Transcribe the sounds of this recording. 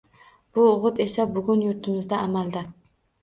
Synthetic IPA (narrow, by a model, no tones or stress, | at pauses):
b̥ʊːʁɨt̪e̞sabʊɡʲʊnjʊɾt̪ʰɪmɪzd̪aːmalˠd̪ɪ